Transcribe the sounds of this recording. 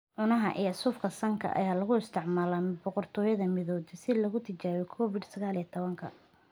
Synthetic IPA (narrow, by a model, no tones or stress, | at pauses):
ʕʊnɐɦɐʔḭːɐsuːfkʰɐsɐŋkʰɐ̰ʔɐ̰jaːlɐɣʊɪst̪ʰɪʕmaːlɐbɔqɔrt̪ʰɔːjɐðɐmɪðɔːðɪsɪlɐɣʊt̪ʰɪt͡ʃaːɣɔkʰɔːfɪd̪sɐɣaːlit̪ʰɔβɐŋkʰɐ̰